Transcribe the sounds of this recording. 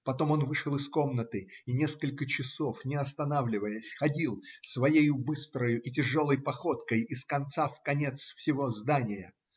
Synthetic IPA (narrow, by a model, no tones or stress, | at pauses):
pɐt̪o̞mo̞nvɨʂəlˠɨsko̞mnət̪ɨinʲeskəlʲkət͡ɕɪso̞fnʲɪɐst̪ɐnavlʲɪvəjəsʲxɐdʲilˠsvɐjejʊbɨst̪ɾəjʊʔitʲɪʐo̞lˠəjpɐxo̞t̪kəjɪskɐnt̪safkɐnʲe̞t̪sfsʲɪvo̞zd̪anʲɪjə